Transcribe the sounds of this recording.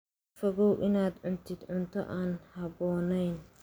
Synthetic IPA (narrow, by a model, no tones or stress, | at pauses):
fɔɣɔwʔɪnaːd̪ʕʊnt̪ʰɪd̪ʕʊnt̪ʰɔ̰ʔaːnhɑβɔːnɛjn